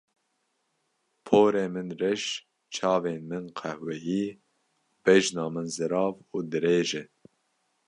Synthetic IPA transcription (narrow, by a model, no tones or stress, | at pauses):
pʰoːɾeːmɨnrɛʃ | t͡ʃʰɑːveːnmɨnqʰɛhwɛɦiː | b̥ɛʒnɑːmɨnzɨɾɑːvuːd̪ɨɾeːʒɛ